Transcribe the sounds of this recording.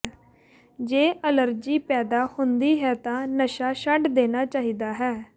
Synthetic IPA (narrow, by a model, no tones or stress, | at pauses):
d͡ʒeːʔələɾd͡ʒiːpɛːd̪aːhʊnd̪iːɦɛːt̪ãːnəʃaːʃəʈd̪eːnaːt͡ʃaːɦiːd̪aːɦɛː